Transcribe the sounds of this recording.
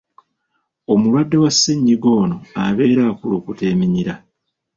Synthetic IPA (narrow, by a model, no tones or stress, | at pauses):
o̞mulwadːe̞wasːeɲːiɡo̞ːno̞aβe̞ːɾaːkuloːkute̞ːmiɲiɾa